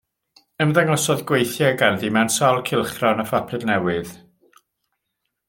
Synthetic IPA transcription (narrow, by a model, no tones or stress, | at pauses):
əmðɛŋɔsɔðɡwejθjɛɡanðimɛwnsalˠkʰɪlˠχrɔnəfapʰrɨdnɛwɨð